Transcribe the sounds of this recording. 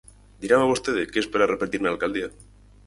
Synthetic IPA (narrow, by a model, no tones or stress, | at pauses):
d̪iɾamaβust̪eðekeespaɾarepet̪iɾnaːlkald̪ia